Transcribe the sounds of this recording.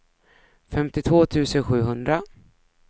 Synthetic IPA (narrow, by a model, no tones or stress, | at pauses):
fɛmt̪ɪt̪ʰvoːt̪ʰʉ̟ːsənɧʉ̟ːɦɵnd̪ɾa